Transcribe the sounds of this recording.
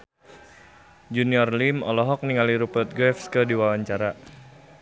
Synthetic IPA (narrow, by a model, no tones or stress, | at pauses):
d͡ʒuniɔrlimɔlɔɦɔk̚niŋaliɾupət̪̚ɡɾɛfskədiwawaɲt͡ʃaɾa